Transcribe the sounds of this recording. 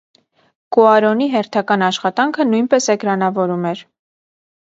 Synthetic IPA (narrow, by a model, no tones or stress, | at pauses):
kɔɑɾɔniɦɛɾt̪ʰɑkɑnɑʃχɑt̪ɑŋkʰənujnpɛsɛɡɾɑnɑvɔɾumɛɾ